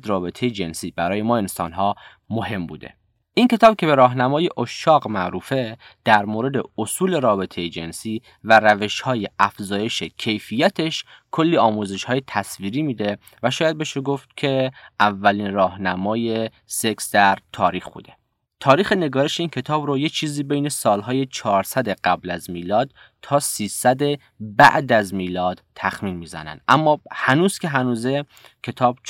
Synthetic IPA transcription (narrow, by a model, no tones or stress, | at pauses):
d̪ɾɒːbe̞t̪ʰe̞jed͡ʒe̞nsiːbæɾɒːje̞mɒːe̞nsɒ̰ːnɦɒː | mohe̞mbṵːd̪e̞̰ | ʔinkʰe̞t̪ʰɒːb̥cʰe̞be̞ɾɒːɦnæmɒːjeʔoʃːɒːɣmæʔɾuːfe̞d̪̥æɾmoːɾe̞d̪e̞osuːle̞ɾɒːbe̞t̪ʰejed͡ʒe̞nsiː | væɾæve̞ʃhɒːje̞æfzɒːje̞ʃecʰe̞jfijæt̪ʰe̞ʃkʰo̞lːiːɒːmuze̞ʃhɒːjet̪ʰæsviːɾiːmiːd̪e̞ | væʃɒːjæd̪̚beʃeɡoft̪cʰe̞ʔævːæliːnrɒːhnæmɒːje̞ | seksd̪̥æɾt̪ʰɒːɾiːxbṵːd̪e̞ | t̪ʰɒːɾiːxene̞ɡɒːɾeʃeiːncʰe̞t̪ʰɒːbɾojet͡ʃʰiːziːbe̞jne̞sɒːlɦɒːje̞t͡ʃʰɒːɾsæd̪e̞ɡæblæzmiːlɒːd̪̥ | t̪ʰːɒːsiːsæd̪e | bæ̰ʔd̪æzmiːlɒːd̪̥t̪ʰːæxmiːnmiːzæ̰næ̰nd̪̥ʔæmːɒːhænuːz̥kʰʲe̞ɦænuːze | cʲʰe̞t̪ʰɒːb̥